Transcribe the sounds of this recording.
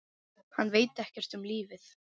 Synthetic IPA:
hanːveːjt̪ɛhcɛr̥t̪ʏmliːvɪθ

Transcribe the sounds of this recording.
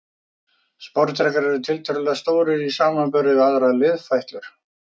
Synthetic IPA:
spɔɾt̪ɾɛkaɾɛɾʏt̪ʰɪlt̪ʰœɾʏlɛast̪oːwɾɪisaːmapʏɾɪðaðɾaðlɪðfajht̪lʏɾ̥

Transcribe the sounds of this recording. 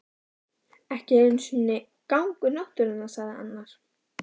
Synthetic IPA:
ɛhcɪensʏnːɪ | kawŋkʏɾnɔht̪ʏɾʏnːasaðɪa̰nːaɾ̥

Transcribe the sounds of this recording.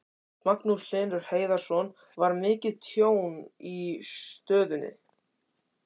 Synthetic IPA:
maknusl̥ɪːnɾʏɾ̥heːjðaɾ̥sɔn | vaɾmɪːcɪðt̪ʰjoːwnit̪œːðʏnːɪ̰

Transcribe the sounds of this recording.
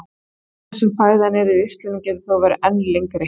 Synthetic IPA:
θɛsːʏmfaːjðanɛɾʏɪst̪lɛnɪcɛðʏθawvɛɾɛnleŋkɾe

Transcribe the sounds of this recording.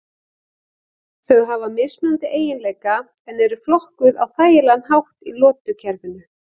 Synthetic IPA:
θœɣɦavamɪsnant̪ɪʔeːjɪnleːjka | ɛnɛɾʏflɔhkʏðawθaːjɪlanɦawht̪ilɔːt̪ʏcʰɛɾvɪnʏ

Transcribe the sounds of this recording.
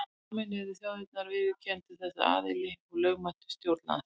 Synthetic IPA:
mɛnɛðɪsjawhɛt̪̚naɾvɪðcʰɛnt̪ʏθɛsːa̰a̰ːðɪlɪɔɣlœɥɣmant̪ʏ̥st̪jowɾt̪na̰ð

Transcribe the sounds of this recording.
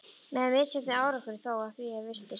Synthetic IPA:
mɛðavɪðsɛt̪nɪaːwɾakʏɾiθaːwakiːavɪr̥t̪ɪ

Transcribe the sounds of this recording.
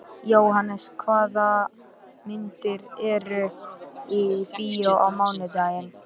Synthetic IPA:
joːwɦanːɛskʰvaːða | mɪnt̪ɪɾɛɾʏ | ipijaʔawmaːwnʏt̪aːjɪn

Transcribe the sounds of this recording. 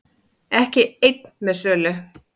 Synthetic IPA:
ɛhcɪejt̪̚nmɛðsœːlʏ

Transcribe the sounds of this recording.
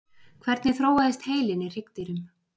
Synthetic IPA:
kʰvɛɾt̪nɪθɾoːwaðɪst̪heːjlɪnɪr̥ɪkt̪ɪɾʏm

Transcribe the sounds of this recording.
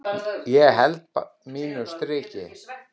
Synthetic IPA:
jɛɣɦɛlt̪̚p | miːnʏst̪ɾɪːcɪ

